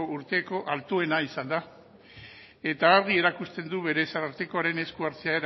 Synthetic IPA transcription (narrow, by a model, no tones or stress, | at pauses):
ouɾt̪e̞ko̞ʔalt̪ue̞naisand̪a | e̞t̪aːɾɣie̞ɾakust̪e̞nd̪uβe̞ɾe̞saɾaɾt̪e̞ko̞aɾe̞ne̞skuaɾt͡seaeɾ